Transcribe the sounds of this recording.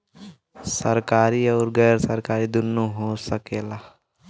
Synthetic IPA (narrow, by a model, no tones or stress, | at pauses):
səɾkaːɾiɔːɾɡɛːɾsəɾkaːɾid̪ʊnːoɦoːsəkeːlaː